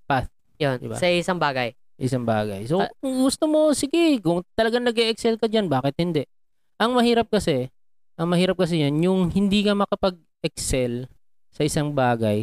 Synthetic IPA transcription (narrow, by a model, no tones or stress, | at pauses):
paθ | jond̪ɪ̰ba̰sɐɪsaŋbaːɡɐjsɐʔɪsaŋba̰ːɡɐ̰jsoɡʊst̪omo̞sɪɡɛkʊŋt̪ɐlɐɡaŋnɐɡɛʔɛksɛlkɐd͡ʒanbaːkɪt̪̚hɪnd̪ɛʔ | ʔɐŋmɐhiːɾɐp̚kɐsɛ | ʔɐŋmɐhiːɾɐp̚kɐs̬ɛjɐanjʊŋhɪnd̪iːkɐmɐkɐpɐɡ̚ʔɛk̚sɛl | sɐʔɪsaŋbaːɡɐj